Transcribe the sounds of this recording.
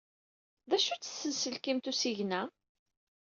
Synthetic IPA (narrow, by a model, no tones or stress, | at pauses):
ðæʃut͡sːə̥sːənsəlkimt̪usiʝnæ